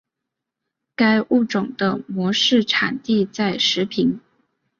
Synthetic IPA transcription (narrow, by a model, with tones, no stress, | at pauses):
ka˥ɪʔu˥˩ʈ͡ʂʊ˨˩ŋd̪ə˦mwɔ˧˥ʂɻ̩˥˩ʈ͡ʂʰa̰˨˩nt̪i˥˧t͡sa˥˩ɪʂɻ̩˧˥pʰi˧˥n